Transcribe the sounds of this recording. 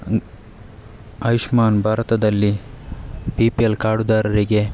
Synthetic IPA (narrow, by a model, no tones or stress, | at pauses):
ɐjiʃmaːnbʱaːɾɐt̪ɐd̪ɐlːi | piːpelkaːɽud̪aːɾɐɾiɡe̞